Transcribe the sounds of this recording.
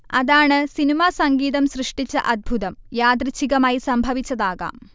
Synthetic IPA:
ɐðaːɳɨsinimaːsɐŋɡiːðɐmɕrɨʂʈit͡ɕːɐ̰ʔɐd̪̚bʱuðɐmjaːd̪ɾit͡ɕʰːiɣɐmaːjisɐmbʱɐʋit͡ɕːɐðaːɣa̰ːm

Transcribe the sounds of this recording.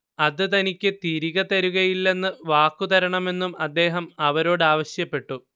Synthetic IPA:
ɐðɨt̪ɐnikʲːɨt̪iɾiɣɐt̪ɐɾuɣɐjilːe̞nːɨʋaːkːut̪ɐɾɐɳɐme̞nːumɐd̪ːe̞ːɦɐmɐʋɐɾo̞ːɽɨaːʋɐɕjɐpːe̞ʈːu

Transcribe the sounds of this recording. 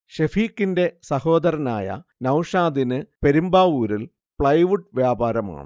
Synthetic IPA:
ɕefiːkːinde̞sɐho̞ːd̪ɐɾɐna̰ːjɐ̰nɐwʂaːd̪inɨpe̞ɾumbaːuːɾil | pɭɐjʋuʈːʋjaːbaːɾɐma̰ːɳɨ̰

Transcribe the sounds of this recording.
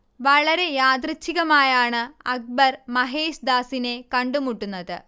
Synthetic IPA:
ʋɐɭɐɾe̞jaːd̪rɨt͡ɕːiɣɐmaːjaːɳɨɐk̚bɐrmɐɦe̞ːɕd̪aːsine̞kɐɳɖumuʈːunːɐðɨ

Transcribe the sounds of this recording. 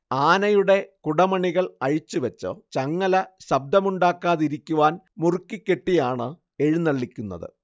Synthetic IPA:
aːnɐjuɽe̞kuɽɐmɐɳiɣɐɭɐɻit͡ɕːuʋɐt͡ɕːo̰ːt͡ɕɐŋːɐlɐɕɐb̚d̪ʱɐmuɳɖaːkːaːðiɾikʲːuʋaːn | murkːikʲːe̞ʈːijaːɳɨ | eɻunːɐɭːikʲːunːɐ̰ðɨ̰

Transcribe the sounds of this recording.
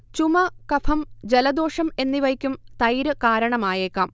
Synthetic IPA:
t͡ɕumɐkɐfʰɐmd͡ʑelɐd̪o̞ːʂɐme̞nːiʋɐjkʲːumt̪ɐjɾɨkaːɾɐɳɐmaːjeːkːaːm

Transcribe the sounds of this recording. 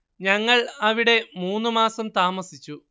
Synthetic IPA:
ɲɐŋːɐɭɐʋiɽe̞muːnːɨmaːsɐmt̪aːmɐsit͡ɕːu

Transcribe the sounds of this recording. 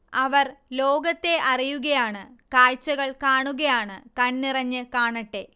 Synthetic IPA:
ɐʋɐrloːɡɐt̪ːe̞ʔɐrijuɣɐjaːɳɨkaːɻt͡ɕːɐɣɐɭkaːɳuɣɐjaːɳɨkɐnːirɐɲːɨkaːɳɐʈːe̞

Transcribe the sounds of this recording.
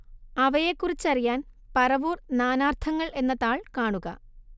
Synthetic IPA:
ɐʋɐjekːurit͡ɕːɐrijaːn | pɐrɐʋuːrnaːnaːrt̪ʰɐŋːɐɭe̞nːɐðaːɭkaːɳuɣɐ̰

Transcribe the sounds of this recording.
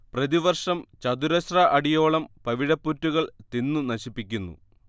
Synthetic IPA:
prɐðiʋɐrʂɐmt͡ɕɐd̪uɾɐɕrɐʔɐɽijo̞ːɭɐmpɐʋiɻɐpːutːuɣɐɭt̪inːɨnɐɕipːikʲːunːṵ

